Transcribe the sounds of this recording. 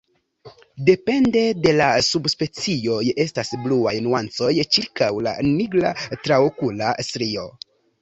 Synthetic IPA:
de̞pe̞nde̞de̞lasubspe̞t͡sio̞je̞stasbluajnuant͡so̞jt͡ʃiɾkawla̰niɡla̰tɾaokulasɾio̞

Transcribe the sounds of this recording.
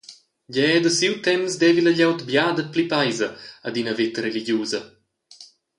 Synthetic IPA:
ɟɛd̪əsiwt̪ɛmsd̪ɛːviləʎawt̪bjaːd̪ət̚plipajzɐad̪inəvet̪ɾeliɟjuːzɐ

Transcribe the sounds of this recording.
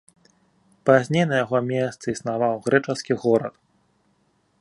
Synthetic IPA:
pazʲnʲejnɐjaɣɔmʲɛst̪sɨisnavawɣɾɛt͡ʂɐskʲiɣɔɾɐt̪

